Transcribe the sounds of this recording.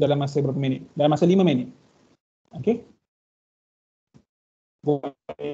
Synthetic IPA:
dalamːasabəɾapəmenɪt̪̚dalamasalimamɛnɪt̪̚ | oke | ɡo

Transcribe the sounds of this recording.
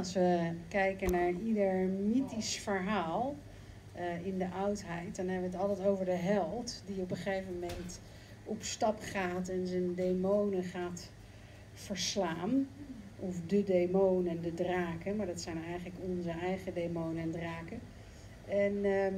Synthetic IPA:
ɑsʋəkɛjkənaːɹidəɹmitisfəɹɦaːlˠ | ɪndəʔɑwtɦɛjt̚dɑnɦɛbəʋətɑlˠtɛjtowvəɹdəɦɛlˠtdiɔpəχejvəmɛnt | ɔpstɑpχaːtɛnzəndemownəχaːt | fəɹslaːn | ɔfdədejmownəndədraːkəmaːɹdɑtsɛjnɛjχələkɔnzəɛjχədejmownənɛndraːkə | ɛn

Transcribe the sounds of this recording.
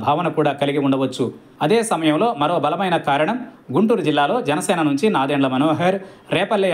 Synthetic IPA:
bʱaːʋɐnɐkuːɽaːkɐliɡiuɳɖɐʋɐt͡ʃːu | ɐd̪eːsɐmɐjɐmlo̞ːmɐɾo̞ːbɐlɐmɐjnɐkaːɾɐɳɐmɡuɳʈuːɾud͡ʒilːaːlo̞ːd͡ʒɐnɐsɛːnɐnuɲt͡ʃinaːd̪eːɳlɐmɐnoːɦeɾɾɛːpɐlːe

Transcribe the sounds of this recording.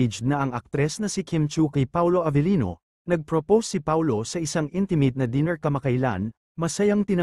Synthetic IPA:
d͡ʒd̪nɐʔɐŋɐk̚t̪ɾɛsnɐsikʰimt͡ʃukɐjpawlo̞ʔɐvɛlino̞̰ | nɐɡ̚pɹopowsːipawlo̞sɐʔɪsaŋʔint̪ɪmɪt̪̚nɐd̪inɛɹkɐmɐkajla̰n | mɐsɐjɐŋt̪ɪnɐ

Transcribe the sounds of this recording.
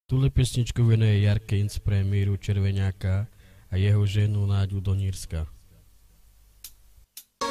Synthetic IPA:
t̪ulɛpɛsɲit͡ʃkuʋɛnujɛjaɾkinspɾɛmiːɾut͡ʃɛɾʋɛɲaːkaː | jɛɦɔʒɛnunaːɟud̪ɔɲiːɾska

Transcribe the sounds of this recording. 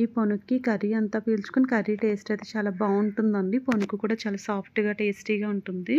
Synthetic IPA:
iponukːikɐɾiɐnt̪aːpiːlt͡ʃu̥konikɐɾiʈeːsʈɐjt̪eːt͡ʃaːlaːbaːuɳʈund̪ɐɳɖiponukukuːɽaːt͡ʃaːlaːsaːpʰʈɡaːʈeːsʈiːɡaːuɳʈund̪i

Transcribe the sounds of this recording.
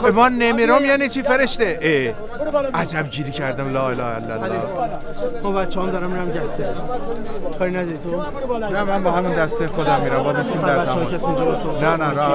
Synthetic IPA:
emɒːnːemiɾomjæːnit͡ʃʰiːfeɾeʃt̪eʔe | ʔæd͡ʒæbɟiːɾiːcʰæɾd̪æmlɒːelɒːhelːælː | mɔbæt̪t͡ʃːeɦɔːmd̪ɒːɾæminæmɟæfse | kʰɒːɾinæd̪ɒɾit̪ʰo | næmænbɒːɦæmund̪æst̪exod̪æmːiːɾæmbɒːd̪est̪imd̪æɾæt͡ʃːɔkʰesiĩnd͡ʒɔbesosnænænæ

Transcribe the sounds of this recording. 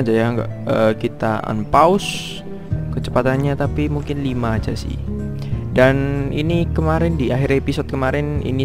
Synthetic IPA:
d͡ʒajaŋɡa̰əkit̪aa̰npaʊs | kət͡ʃə̥pat̪anɲat̪apimuŋkɪnlimaːd͡ʒa̰sɪ̰h | daninikəmaɾɛndiaɦiɾepisɔd̪̚kəmaɾɛnḭni

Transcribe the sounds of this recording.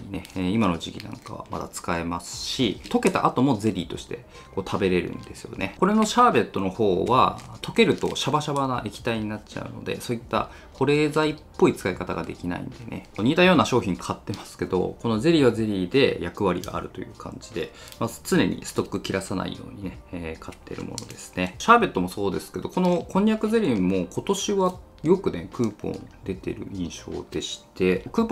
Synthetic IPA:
ɲine̞ːimano̞ʑikʲinã̰ŋkaβa̰ma̰d̪a̰t͡sɨ̥kae̞masɨ̥ɕit̪o̞ke̞t̪a̰ʔat̪o̞mo̞ze̞ɾʲiːt̪o̞ɕi̥t̪e̞̰ | ko̞ːt̪ʰabe̞ɾe̞ɾɯ̟̰̃nd̪e̞sɨjo̞̰nʔe̞ko̞ɾe̞no̞ɕaːbe̞t̪ːo̞no̞ho̞ːβat̪o̞ke̞ɾɯ̟t̪o̞̰ɕabaɕabanaʔekʲi̥t̪aiɲ̟inat͡ɕa̰ɯ̟̰no̞d̪e̞̰so̞ːit̪ːa̰ | ko̞ɾe̞ːzaipːo̞it͡sɨ̥kaikat̪aɡad̪e̞kʲina̰ḭ̃nd̪e̞ne̞̰ɲ̟iːt̪ajo̞ːnaɕo̞ːçʲĩŋkʰat̪ːe̞masɨ̥ke̞d̪o̞̰ko̞no̞ze̞ɾʲiβaze̞ɾʲiːd̪e̞̰jakɯ̟β̞aɾʲiɡa̰ːɾɯ̟t̪o̞̰jɯ̟ːkʰã̰ɲ̟d͡ʑid̪e̞ | mat͡sɨne̞̰ɲ̟ḭsɨ̥t̪o̞kːɯ̟kʲiɾasana̰ḭjo̞̰ːɲ̟ine̞ːkʰat̪ːe̞̰ɾɯ̟̰mo̞̰no̞̰d̪e̞sɨ̥ne̞ɕaːbʲe̞t̪ːo̞mo̞so̞ːd̪e̞sɨ̥ke̞d̪o̞ko̞no̞kʰõɲ̟jakɯ̟ze̞ɾʲimo̞kʰo̞t̪o̞ɕiβa | jo̞kɯ̟ne̞kɯ̟ːpõ̞̰nd̪̥e̞t̪e̞̰ɾɯ̟̰ĩɰ̃ɕo̞̰ːd̪e̞ɕi̥t̪e̞kɯ̟ːp

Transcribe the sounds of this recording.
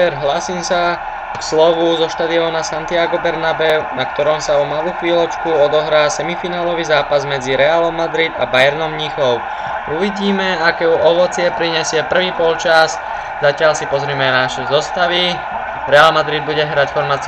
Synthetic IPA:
ɾɦlaːsiːmsa | kslɔʋuzɔʃt̪aːd̪iɔːnasant̪ɪaɡɔbɛɾnabɛnak̚t̪ɔɾɔmsaɔmaluːxʋiːlɔt͡ʃkuɔd̪ɔɦɾaːsɛmifinaːlɔʋizaːpazmɛd͡ziɾɛalɔmːad̪ɾid̪a̰bajɛɾnɔmɲixɔʊ | uʋiɟiːmɛakɛːuʔɔʋɔt͡sɪɛpɾiɲɛsɪɛpr̩ʋiːpɔlt͡ʃaz | zacɪaʎsipɔzɾiːmɛanaʃɛzɔst̪aʋi | ɾɛalmad̪ɾid̪̚buɟɛɦɾacfɔɾmat͡s

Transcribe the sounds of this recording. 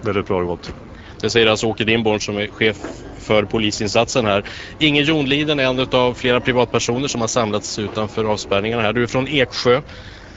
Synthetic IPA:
vɛlɪt̪̚bɾɑːɾɡɔt̪ː | d̪̥ɛsɛjːəɾalsɔoːkəɖ̪ɪnbɔɳʂɔmɛɧeːfː | œɾpʰʊliːsɪnsat̪sənɦæːɾ | ɪŋːənjuːnliːd̪ənɛnːʉt̪avfleːɾapʰɾɪvɑːt̪̚pʰæʂuːnəʂɔmhaʂamlat̪sʉ̟ːt̪anfœːɾɑːvspæɾɳɪŋaɳahæːɖɵæfɾɔneːkɧøː

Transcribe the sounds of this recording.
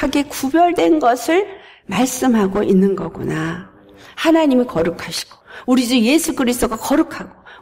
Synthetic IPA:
aɡe̞kubjʌɭdwe̞nɡʌsʰɯɭ | maɭs͈ɯmɦaɡoʔinːɯnɡʌɡṵna | hanaɲimikʌɾɯkʰaɕʰi̥ɡ̥o̥uɾid͡ʑɯje̞sʰuɡɯɾisʰt͈oɡakʌɾukʰaɡo

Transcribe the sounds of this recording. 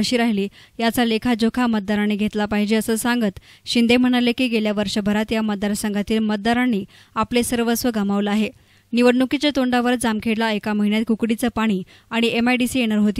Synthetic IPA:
əɕiːɾaɦliːjat͡salekʰad͡ʑokʰamət̪̚d̪aɾaniːɡʱet̪lapaɦid͡ʑeəsəːsaŋɡət̪ɕind̪em̤əɽ̃alekiːɡeljaʋəɾʂəbʱəɾat̪jamət̪̚d̪aɾsəŋɡat̪iːlmət̪̚d̪aɾanːiː | aplesəɾʋəsʋəɡamaʋləaɦe | niʋəɽɳukit͡ɕjat̪oɳɖaʋəɾd͡zamkʰeɽlaekaməɦiɳjat̪̚kukɽit͡səpaɽ̃iː | aɽ̃iemajɖisiːeñəɾɦot̪iː

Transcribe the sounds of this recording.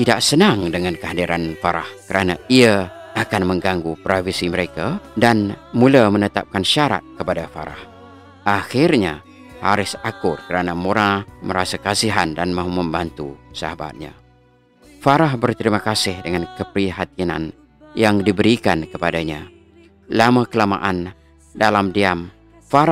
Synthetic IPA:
t̪idaʔsənaŋdəŋankəɦadiɾanfaɾa̰hkəɾʔanaiaakanməŋɡaŋɡupɾafisiməɾekadanmulamənət̪a̰p̚kanʃaɾa̰t̪̚kəpadafa̰ɾa̰h | ʔaxɪrɲa | ha̰ɾɪsakʊrkəɾanamoɾaməɾasakasiɦandanmãɦuməmbant̪ṵsa̰haba̰t̪̚ɲa̰ | faɾaɦbərt̪əɾimakasɪhdəŋankəpɾiɦat̪ina̰n | jaŋdibəɾikankəpadaɲa | lamakəlama̰ʔan | dalamdiam | fa

